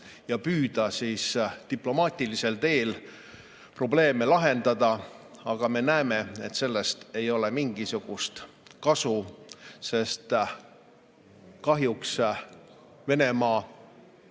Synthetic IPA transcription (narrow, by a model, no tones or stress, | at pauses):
jɑpyːd̪̥ɑsiːst̪iplo̞mɑːt̪ʲˑilise̞lt̪e̞ːl | pro̞ble̞ːmelɑɦe̞nd̪̥ɑd̪̥ɑɑɡ̥ɑme̞næeme̞e̞t̪se̞lːe̞st̪e̞jo̞lemiŋɡ̥isuɡ̥ust̪ | kɑsuse̞st̪ | kɑɦjuks | ve̞ne̞mɑː